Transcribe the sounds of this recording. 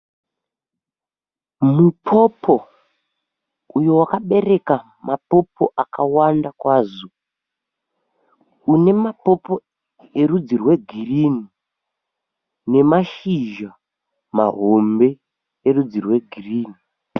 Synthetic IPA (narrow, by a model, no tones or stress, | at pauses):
mupʰo̞pʰo̞ | ujowakaɓe̞re̞ka | mapo̞pʰo̞ʔakawandakwaːzo | une̞mapo̞po̞ | e̞rud͡zirwe̞ɡʱirini | ne̞maʃiʒa | ma̰ɦo̞mbe̞ː | rud͡zirwe̞ɡʱiriːni